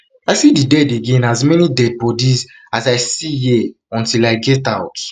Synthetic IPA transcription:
aɪsididɛdeɡɛ̃nazmɛnidɛd̚bɔdiz | azaɪsijɛ | ɔ̃ntilaɪɡɛtaʊt

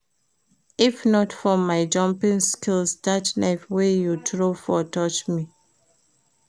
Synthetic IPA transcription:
ifnɔtfɔmaɪd͡ʒɔ̃mpĩŋskilsdatnaɪfwejutɹofɔtɔt͡ʃmi

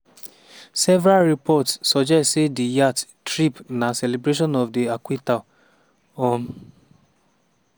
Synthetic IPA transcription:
sɛvɾalɾipɔtssɔd͡ʒɛssedijattɾipnãsɛlebɾeʃɔ̃nɔfdiakwita | ɔm

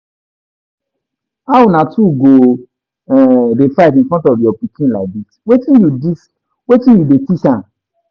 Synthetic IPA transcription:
awunãtʰuɡo | ɛdefaɪtĩnfɾɔ̃ntɔvjɔpikĩnlaɪk̚ditwetĩnjudis | wetĩnjudetisãn

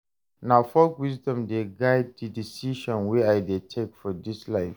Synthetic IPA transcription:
naʊfɔlkwizdɔ̃mdeɡaɪd̚didisiʃɔ̃nwiaɪdetʰekfɔdislaɪf

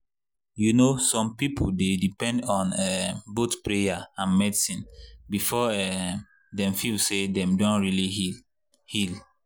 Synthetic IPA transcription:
junosɔ̃mpipʰoldedipɛ̃ndɔ̃nɛbotpɹejaãnmɛdisĩnbifɔɛ | dɛ̃mfilsedɛ̃mdõntɹili | hil

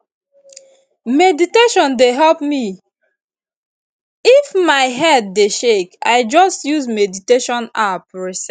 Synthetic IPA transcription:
mediteʃɔ̃ndeɦɛlpmi | ifmaɪɦɛdːeʃeka̰ɪd͡ʒɔstjuzmediteʃɔ̃napɹisɛ

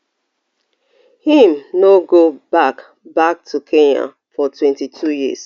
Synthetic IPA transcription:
hĩmnoɡobak | bak̚tʰukʰeɲã̰ | fɔtʰwɛ̃ntitʰujis

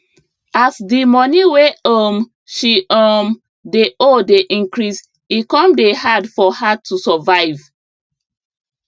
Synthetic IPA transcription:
asdimɔniweəm | ʃiʔəm | deʔodeʔĩŋkɹis | ikɔ̃mdehadfɔhatʰusɔvaɪv

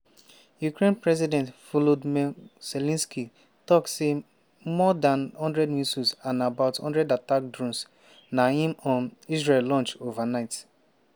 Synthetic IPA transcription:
jukɹẽnpɹɛzidɛ̃ntfulodmɛsɛlɛ̃nski | tɔktse | mɔdãnhɔ̃ndɹɛdmisusãnabaʊthɔ̃ndɹɛdatak̚dɹɔ̃ms | nahĩmɔ̃nisɹellɔ̃nt͡ʃovanaɪt

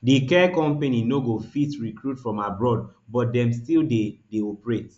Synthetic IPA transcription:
dikɛkɔ̃mpeninoɡofitɹikɹutfɹɔ̃mabɹɔd̚bɔt̚dɛ̃mstildedeɔpɹet

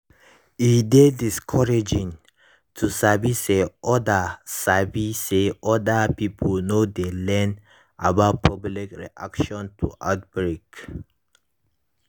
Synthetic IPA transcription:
idediskʰɔɹed͡ʒĩŋ | tʰusaviseʔɔdasaviseɔdapipʰəlnod̪elɛ̃n | ʔa̰bat̚pʰɔblikɹḭʔa̰kʃɔ̃ntʰṵʔa̰t̚bɹek

